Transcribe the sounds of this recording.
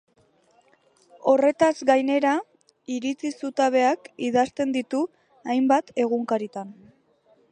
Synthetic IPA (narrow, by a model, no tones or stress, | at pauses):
o̞re̞t̪azɡajne̞ɾa | iɾit͡sisut̪aβe̞akiðast̪e̞nd̪it̪u | ajmbat̪e̞ɣ̞uŋkaɾit̪an